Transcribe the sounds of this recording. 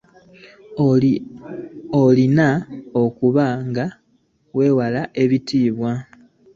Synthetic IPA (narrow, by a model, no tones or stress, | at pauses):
olinao̞kuβaŋɡa | we̞ːwalaʔe̞βitiːβwa